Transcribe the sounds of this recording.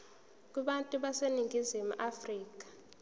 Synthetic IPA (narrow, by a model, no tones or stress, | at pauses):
k̬ʼiɓantʼuɓaseniŋɡʱizimuʔafriːk̬ḁ